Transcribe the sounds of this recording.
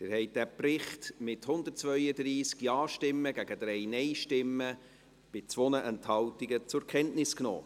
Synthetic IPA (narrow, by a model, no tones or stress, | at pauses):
d̥ɪɾhɛɪtd̥æprɪχtmɪthʊnd̪ət̚t͡svœʏədriːskjɑːʃtɪmːəɡæɡəd̥ɾɛjnɛɪʃtɪmːə | b̥ɪt͡svʋɔnəʔɛnthɑltiɡət͡sʊɾkʰɛntnɪsknɔ̰ː